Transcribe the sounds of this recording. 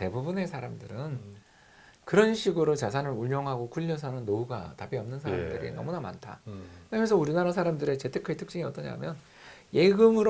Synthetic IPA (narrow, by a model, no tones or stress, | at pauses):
te̞bubune̞sʰaɾamdɯɾɯn | kɯɾʌnɕʰiɡɯɾot͡ɕasʰanɯɾuʎjʌŋɦaɡokʰuʎːʌsʰʌnɯnːouɡa̰tapiʌmnɯnsʰaɾadɯɾḭnʌmunama̰ntʰa̰kɯɾʌmesʰʌuɾinaɾasʰaɾamdɯɾe̞t͡ɕe̞tʰekʰaetʰɯk̚t͡ɕ͈iŋiʌt͈ʌɲa̰mjʌn | je̞ɡɯmɯɾ